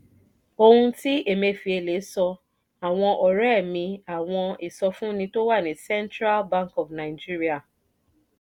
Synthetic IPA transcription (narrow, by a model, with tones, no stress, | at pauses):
o˧hũ˧ti˦e˦˨me˧fi˧˦e˧le˨˦sɔ˧ | a˨w̃ɔ̃˧ʔɔ˨ɾɛ˦˨mĩ˧a˨w̃ɔ̃˧i˨sɔ˧fũ˦nĩ˧to˦wa˦˨nĩ˨sɛ˦ntɾa˦lbã˦ŋkɔ˨fna˨ɪ˨d͡ʒi˦ɾi˦a˨